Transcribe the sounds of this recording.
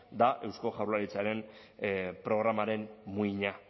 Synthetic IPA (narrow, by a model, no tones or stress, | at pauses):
d̪aʔe̞wsko̞ʝawɾlaɾit͡saɾe̞m | pɾo̞ɣ̞ɾamaɾe̞nmuiɲa